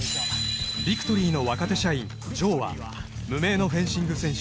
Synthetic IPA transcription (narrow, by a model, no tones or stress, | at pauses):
bʲikɯ̟̥t̪oɾʲiːno̞βakat̪e̞ɕaĩn | d͡ʑo̞ːβa̰ | mɯ̟me̞ːno̞ɸẽ̞ɕĩŋɡɯ̟sẽ̞ɰ̃ɕ